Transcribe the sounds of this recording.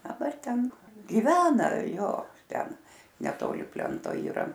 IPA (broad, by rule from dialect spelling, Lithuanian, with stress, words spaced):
dɐˈbɐr ˈtʲɛn ɡʲɪˈʋʲæːnɐ ˈjoː ˈtʲɛn nʲɛˈtoːlʲɪ ˈpʲlʲɛntoː iːˈrɐ